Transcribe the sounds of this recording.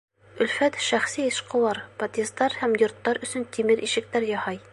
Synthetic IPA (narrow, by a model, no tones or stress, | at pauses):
ɵ̆lfæt̪ʃæχsiĕʃqŏw̪ɑɾpɐt̪ʲest̪ɑɾhæmjŏɾt̪ːɑɾɵ̆sɵnt̪ʰimɘɾʔiʃɘ̆k̚t̪æɾjɒhɑj